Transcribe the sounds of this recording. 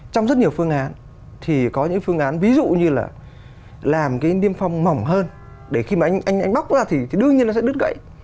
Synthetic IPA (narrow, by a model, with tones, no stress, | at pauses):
t͡ɕɔ˧ŋ͡mzə˦˥t̚ɲi˨˩əwfɨ˧əŋʔaː˨˦n | t̪ʰi˨˩kɔ˨˦ɲɨ̰˧˥ŋfɨ˧əŋʔaː˨˦nvi˨˦zṵ˧˨ɲɨ˧laː˨˩ | laː˨˩mkaː˨˦jni˧əmfa˧wŋ͡mma˨˩wŋ͡mɦəː˧n | ɗe˧˩xi˧maː˨˩ʔa˧jŋ̟ʔa˧jŋ̟ʔa˧ŋ̟ɓa˦˥k͡p̚zaː˧t̪ʰi˨˩t̪ʰi˨˩ɗɨ˧əŋɲi˧əna˨sɛ̰˧˥ɨ˦˥t̚ɣə̰˧˨jʔ